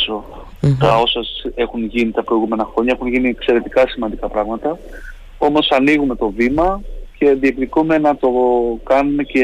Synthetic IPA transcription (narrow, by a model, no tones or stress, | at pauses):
so | t̪ɐo̞sɐe̞xunʝinit̪ɐpɾo̞iɣume̞nɐxɾo̞ɲɐexunʝiniekse̞ɾe̞t̪ikɐsimɐnd̪ikɐpɾɐɣmɐt̪ɐ | o̞mo̞sɐniɣume̞t̪o̞vimɐce̞ðiepðikume̞nɐt̪o̞kɐnume̞ce